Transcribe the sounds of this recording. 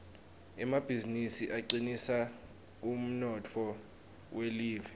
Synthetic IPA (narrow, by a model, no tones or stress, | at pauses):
ɛmab̥ʱizinisiʔaǃinisa | um̩nɔtʰɔ | wʔeliːvɛ